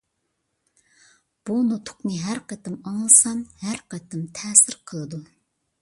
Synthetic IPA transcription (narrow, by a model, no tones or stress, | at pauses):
b̥unot̪ʰʊ̥qnɨɦæɾqɛt̪ɪmɑŋlˠɨsɑnhæɾqɛt̪ɪmt̪ʰɛːsɪɾqʰəlˠɨd̪u